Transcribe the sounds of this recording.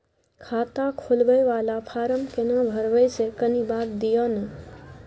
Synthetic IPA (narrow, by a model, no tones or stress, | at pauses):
kʰaːt̪akʰolbəjʋaːlapʰaːɾəmkenãbʱəɾəjsekənibaːt̪̚d̪ijonə